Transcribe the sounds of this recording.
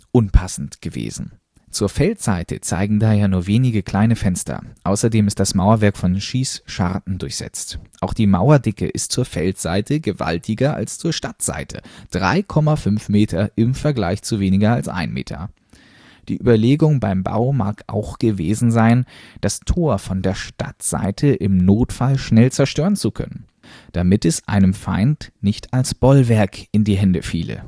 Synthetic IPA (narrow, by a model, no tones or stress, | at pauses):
ʔʊnpʰasn̩tɡ̥əvḛːzn̩ | t͡suːɐfɛltz̥a̰ɪtə̰t͡sa̰ɪɡŋ̩daːheːɐnuːɐveːnɪɡəkʰl̥aɪnəfɛnstɐ̰ʔaʊsɐdeːmɪst̚d̥asmaʊɐvɛɐkfɔnʃiːsʃa̰ʁtn̩dʊɐçz̥ɛ̰t͡stʔaʊxd̥iːmaʊɐdɪkə̰ʔɪstt͡suːɐfɛltz̥aɪtʰəɡəva̰ltʰɪɡɐʔa̰lst͡suːɐʃtatz̥a̰ɪtʰə̰d̥ʁa̰ɪkʰɔmafʏnfmeːtʰɐʔɪmfɛɐɡlaɪçt͡suveːnɪɡɐalsʔa̰ɪnmḛːtʰɐ̰ | d̥ḭːʔyːbɐleːɡʊŋbaɪmba̰ʊma̰ːkʔa̰ʊxɡ̥əveːzn̩zaɪnd̥astʰoːɐfɔndeːɐʃta̰tz̥a̰ɪtʰəʔɪmnoːtfalʃnɛlt͡sɛɐʃtøːʁənt͡sukʰœ̰nən | d̥amɪtɛsʔa̰ɪnəmfa̰ɪntnɪçtʰalsb̥ɔlvɛɐkʔɪndiːɦɛndəfḭːlə̰